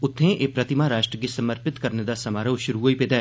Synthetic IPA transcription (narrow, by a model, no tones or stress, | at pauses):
ʊt̪ʰːẽːʔeːpɾət̪ɪmaːɾaːʃʈɾəɡɪsəməɾpɪt̪kəɾneːd̪aːsəmaːɾəʋʃʊɾuːoːiːpɪt̪ɛː